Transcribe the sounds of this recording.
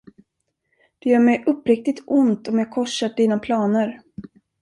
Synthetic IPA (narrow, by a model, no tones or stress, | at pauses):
d̪̥ɛjœːɾmɛjʔɵpːɾɪk̚t̪ɪt̪ʊnt̪ɔmjɑːkʰɔʂːat̪̚d̪iːnapʰlɑːnəɾ